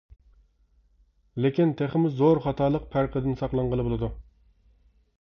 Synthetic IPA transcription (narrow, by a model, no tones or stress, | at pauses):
lɪkʲint̪ʰeχɪmʊzoɾχɑt̪ʰɑːlˠəq̚pʰæɾqʰəd̪ɪnsɑqlˠɑɴʁəlˠɨbolˠɨd̪u